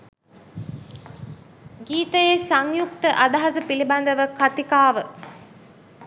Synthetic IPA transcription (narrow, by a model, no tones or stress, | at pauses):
ɡiːt̪əjesaŋjuk̚t̪əʔad̪aɦasəpiliband̪əʋəkat̪ikaːʋə